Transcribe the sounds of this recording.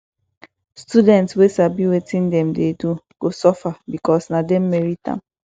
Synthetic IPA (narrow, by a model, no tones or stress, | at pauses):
studɛ̃ntswesabiwetĩndɛ̃mdeduɡ̥osɔfabikɔsnadɛ̃mmɛɹitã̰m